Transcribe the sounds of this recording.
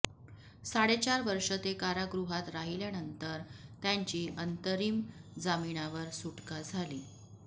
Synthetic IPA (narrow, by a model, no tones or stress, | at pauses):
saɽet͡ɕaɾʋəɾʂət̪ekaɾaɡɾuɦat̪ɾaɦiljanənt̪əɾt̪jaɲt͡ɕiːʔənt̪əɾiːmd͡zamiɳaʋəɾsuʈkad͡zʱaliː